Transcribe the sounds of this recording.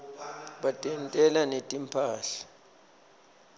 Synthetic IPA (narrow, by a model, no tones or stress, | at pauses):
ɓatʼɛntʼɛlanetʼimpʰaːɬḁ